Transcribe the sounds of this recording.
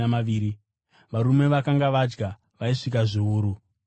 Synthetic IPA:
maʋiːɾi | ʋaɾume̞ʋakaŋɡaʋad͡ʒɡa | ʋaiʂikaʐiuːɾu

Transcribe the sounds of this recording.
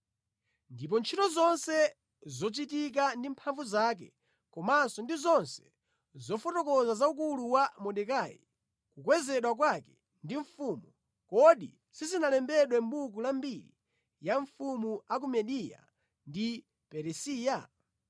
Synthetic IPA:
ndip̬ɔnt͡ʃʰitɔzɔnsɛ | zɔt͡ʃit̬ik̬andimpʰaɱvuzak̬ɛ̰ | kɔmansɔndizɔnsɛ̥ | zɔfɔtɔkɔzazaukuluwamɔɗɛkaːjḭ | kukwɛzɛɗwak̬wakɛ̥ | ndiɱfumu | kɔɗḭ | sizinalɛmbɛɗwɛmɓukulambiɾḭ | jaɱfumuak̬umɛɗija̰ | ndi | pɛɾɛsiːja

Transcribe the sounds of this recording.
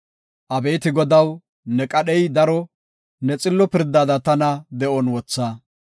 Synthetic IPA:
ʔɐbe̞ːt̪ɪɡɔd̪ɐw | nɛkʼɐɗɛjd̪ɐɾɔ | nɛt͡sʼɪlːɔpɪɾd̪aːd̪ɐt̪ɐnɐd̪ɛʔɔnwɔt͡sːaː

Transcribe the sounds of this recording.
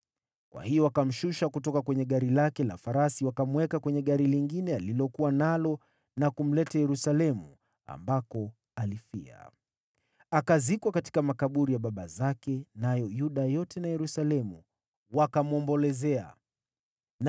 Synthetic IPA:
kwʔa̰hijɔwakam̩ʃuʃakutɔkakwɛɲɛɠaɾilakɛla̰faɾasiwakamwɛkakwɛɲɛɠaɾiliŋɡinɛalilɔkuwanalɔ | nakum̩lɛtajɛɾusalɛmṵ | a̰mbakɔ | alifḭa̰ | akazikwakati̥kamakaɓuɾijaɓaɓazakɛnajɔjuɗajɔtɛnajɛɾusalɛmu | wakamuɔmbɔlɛzɛa̰ | n

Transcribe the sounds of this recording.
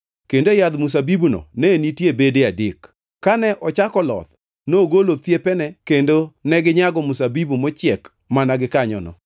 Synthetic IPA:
kendojad̪mus̬abibunɔ̰nɛnitjebedeadɪk | kːanɛʔɔt͡ʃakɔlɔ̰t̪ | noɡolot̪jepɛnɛkendonɛɡɪɲaɡɔmusabibumɔt͡ʃɪɛk | manaɡɪkaɲɔ̰nɔ̰

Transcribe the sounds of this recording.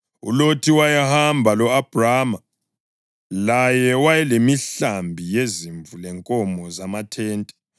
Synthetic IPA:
ṵlotʰiwajahambʱalɔab̥ʱraːma | lajɛwajɛlemiɬambʱijeziɱvulɛŋkʼɔmɔzamatʰɛːntʼɛ̥

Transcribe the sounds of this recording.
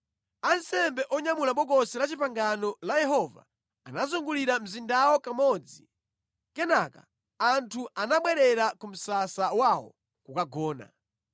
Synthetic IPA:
ansɛmbɛʔɔɲamulaɓɔkɔsɛlat͡ʃipaŋɡanɔlajɛɦɔva̰ː | nazuŋɡuliɾam̩zindawɔkamɔd͡zi | kɛnaka̰ | antʰuʔanaɓwɛɾɛɾakum̩sasawawɔ̰ | kukaɡɔːna̰

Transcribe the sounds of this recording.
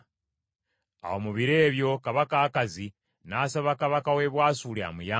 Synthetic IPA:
a̰o̞muβiɾeːβjo̞kaβakaːkazi | naːsaβakaβakawe̞ːβwaːsuːlea̰muja

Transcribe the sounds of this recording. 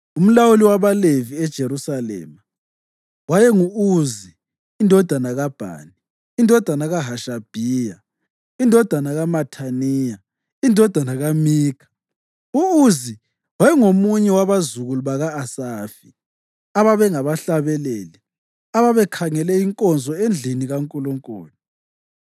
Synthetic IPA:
um̩lawuliwaβaleviɛd̥ʒ̥ʱeɾusalɛ̰ːma | wajɛŋuuziː | ndʱɔd̥ʱanaɣab̥ʱa̰ːni | indʱɔd̥ʱanaɣaɦaʃab̥ʱija | indʱɔd̥ʱanaɣamatʰaniːja | indʱɔd̥ʱanaɣamiːkʰḁ | uuzi | wajɛŋomuɲɛwaβazuɣuluβaɣaːsaːfi | aβaβɛŋaβaɬaβɛleːli | aβaβɛkʰaŋɛlɛiŋkʼɔnd͡zʱɔend͡ɮʱiniɣaŋkʼuluŋkʼṵːni

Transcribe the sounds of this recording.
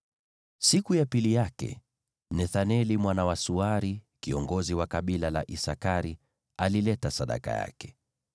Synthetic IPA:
sikujapilijakɛ̰ | nɛθanɛlimwanawasuaɾikiɔŋɡɔziwakaɓilala̰ʔisakaɾi | alilɛtasaɗa̰ka̰ja̰kɛ̥

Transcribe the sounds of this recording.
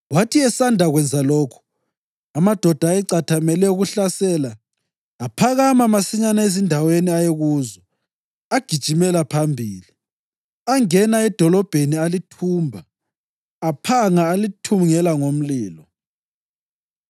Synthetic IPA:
watʰiɛsandʱaɣwɛnd͡zʱalɔːkʰu̥ | amad̥ʱɔd̥ʱaɛǀatʰamɛlɛuɣuɬasɛːlaː | pʰaɣamamasiɲanaezindʱaweniajeɣuːzɔ | aɡ̥ʱid̥ʒ̥ʱimɛlapʰambʱiːli | aŋɛnaɛd̥ʱɔlɔb̥ʱenialitʰuːmbʱaː | pʰaŋaːlitʰumŋɛlaŋom̩liːlɔ

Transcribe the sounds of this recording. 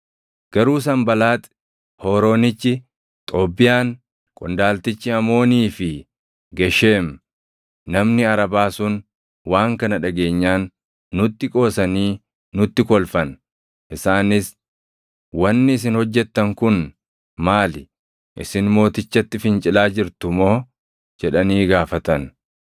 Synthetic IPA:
ɡ̥ɐɾuːs̬ɐmbɐlaːt̪ʼ | hoːɾo̞ːnɪt͡ʃːɪ | t̪ʼo̞ːbːɪjaːn | kʼʊnd̪aːlt̪ɪt͡ʃːɪɐmo̞ːniːfɪ | ɡɛʃeːm | nɐmnɪɐɾɐbaːsʊn | waːŋkɐnɐᶑɐɡe̞ːɲːaːnː | ʊt̪ːɪkʼo̞ːsɐniː | nʊt̪ːɪkɔlfɐn | ʔɪsaːnɪs | wɐnːɪɪs̬ɪnhɔd͡ʒːɛt̪ːɐŋkʊn | maːlɪ | ʔɪ̰sɪnmo̞ːt̪ɪt͡ʃːɐt̪ːɪfɪnt͡ʃʼɪlaːd͡ʒɪɾt̪ʊmo̞ː | d͡ʒɛᶑɐniːɡaːfɐt̪ɐn

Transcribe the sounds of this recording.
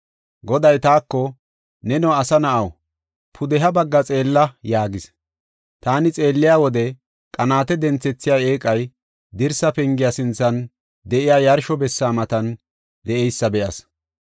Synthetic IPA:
ɡɔd̪ɐjt̪aːkːɔ | nɛnɔɐsɐnɐʔɐw | pʰʊd̪ɛɦɐbɐɡːɐt͡sʼe̞ːlːɐjaːɡɪs | t̪aːnɪt͡sʼe̞ːlːɪjaːwɔd̪ɛ | kʼɐnaːt̪ɛd̪ɛnt͡sːɛt͡sːɪjaeːkʼɐj | d̪ɪɾsɐpɛŋɡɪjasɪnt͡sːɐn | d̪ɛʔɪjaːjɐɾʃɔbɛsːaːmɐt̪ɐn | d̪ɛʔɛjsːɐbɛʔɐs

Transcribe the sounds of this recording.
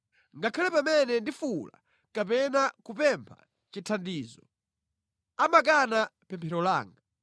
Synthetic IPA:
ŋɡakʰalɛpamɛnɛndifula̰ | kapɛnakupɛmpʰa̰ | t͡ʃitʰandiːzɔ | amak̬anapɛmpʰɛɾɔla̰ːŋɡa

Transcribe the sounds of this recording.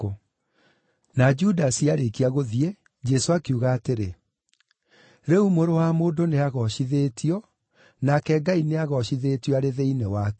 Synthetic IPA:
o | nad͡ʒudasiaɾekiaɣoðie | d͡ʒɛsoakuɣaːteɾe | ɾeumoɾowamoːndoneaɣɔɕiðeːtʰiɔ | nakɛɡaineaɣɔɕiðetiɔaɾeðeinewakɛ

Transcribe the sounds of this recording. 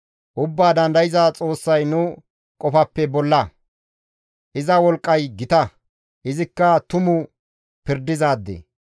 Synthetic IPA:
ʔʊbːaːd̪ɐnd̪ɐjɪzat͡sʼo̞ːsːɐjnʊ | kʼɔfɐpːɛbɔlːɐ | ʔɪzɐwɔlkʼːɐjɡɪt̪ɐ | ʔɪzɪkːɐt̪ʊmʊ | pɪɾd̪ːɪzaːd̪ːḛː

